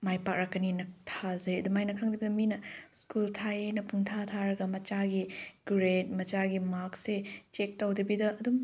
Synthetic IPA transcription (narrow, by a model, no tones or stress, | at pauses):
majpak̚ɾakːɐninɐk̚tʰazɐjɐdumajnɐkʰaŋdibidɐminɐskultʰajenɐpʰuŋtʰatʰaɾɐɡɐmɐt͡ʃaɡiɡɾet̚mɐt͡ʃaɡimak̚set͡ʃek̚tɐwdibidɐɐdum